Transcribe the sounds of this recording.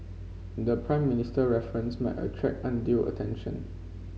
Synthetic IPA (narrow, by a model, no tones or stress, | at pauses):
dəpʰɹãɪ̃mːinɪstəɹɛfɹə̃nsma̰ɪtə̰tʰɹɛ̰k̚ãndilə̰tʰɛ̃nʃə̰̃n